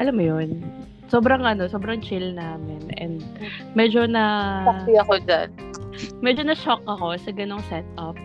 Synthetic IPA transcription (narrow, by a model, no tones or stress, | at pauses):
ʔɐlamːojon | soːbɾɐŋʔɐno̞soːbɾɐŋt͡ʃɪlnaːmɪnʔɛ̰nd̪̚ | mɛd͡ʒo̞nɐpɐiɐko̞d͡ʒa̰n | mɛd͡ʒo̞nɐʃok̚ʔɐko̞sɐɡɐno̞ŋsɛt̪̚ʔɐp̚